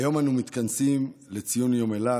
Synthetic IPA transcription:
jo̞manumit̪kansimlet͡sijunjomela

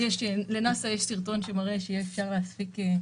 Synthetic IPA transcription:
jɛʃlenasajeʃsiʁt̪o̞nʃemaʁeʃejiefʃaʁleaspike

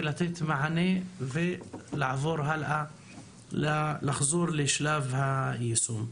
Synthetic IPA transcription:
lat̪et̪maʕanevilʕvuːɾɦalʔa | llɪxzuːɾˤliʃlaːvhajsuːm

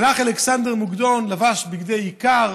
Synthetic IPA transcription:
laχaleksand̪eʁmuɡd̪onlavaʃbiɡd̪ejikaʁ

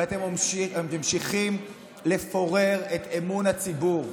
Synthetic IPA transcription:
at̪emmemʃiχim | le̞fo̞ʁe̞ʁet̪emunhat͡sibuʁ

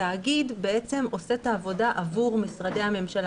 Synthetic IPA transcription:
aːɡidbe̞e̞t͡se̞mo̞se̞t̪aːvo̞daʔavuʁmisʁade̞jame̞mʃal

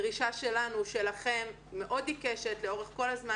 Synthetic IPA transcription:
ʁiʃaʃe̞lanuʃe̞laχe̞mː | e̞ʔo̞dikeʃe̞tle̞o̞ʁeχkolazma

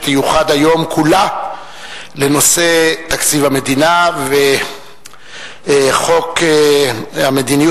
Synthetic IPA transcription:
t̪ejuχad̪ajo̞mkʰula | le̞no̞se̞t̪akt͡sivame̞d̪inave | χo̞k | hamed̪iniju

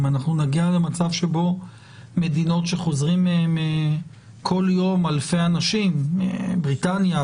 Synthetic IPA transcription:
manaχnunaɡiale̞mat͡savʃebo̞ | me̞dino̞tʃe̞χo̞zʁimme | kʰo̞ljo̞malfejanaʃim̰bʁitanja

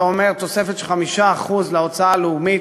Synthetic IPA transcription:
ome̞ʁt̪o̞se̞fet̪ʃeχamiʃaːχuzleot͡saaleumi

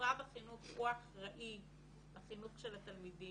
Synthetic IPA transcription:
abaχinuχʁuaχʁaʔi | baχinuχʃelatalmidi

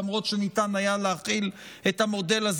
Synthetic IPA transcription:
mʁo̞t̪ʃenitanajaleaχilethamo̞de̞laz

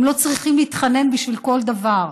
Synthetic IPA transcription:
mlo̞t͡sʁiχimliːt̪χane̞nbiʃvilko̞ld̪avaʁ

